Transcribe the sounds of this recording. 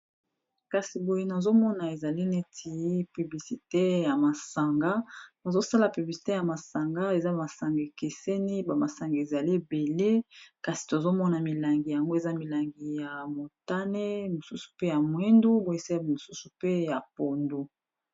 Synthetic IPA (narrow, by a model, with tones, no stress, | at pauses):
ka˨si˨bo˨je˦na˨zo˦mɔ˦na˨e˨za˨li˦ne˦tʰi˨˦py˨bli˨si˨te˦ja˨ma˨sa˨ŋɡa˦ba˨zo˦sa˦la˨py˨bli˨si̥˨te˦ja˨ma˨sa˨ŋɡa˦e˨za˦ma˨sa˨ŋɡe˨ke˨se˦ni˦ba˨ma˨sa˨ŋɡa˨e˨za˨li˦be˨le˦ka˨si̥˨to˨zo˦mɔ˦na˨mi˨la˨ŋɡi˨ja˨ŋɡo˦e˨za˦mi˨la˨ŋɡi˨ja˨mo˨ta˦ne˦mo˨su˦su̥˨pe˦ja˨mwe˦ndu˦bo˨e˦sa˦˨mo˨su˦su˨pe˦ja˨po˨ndu˨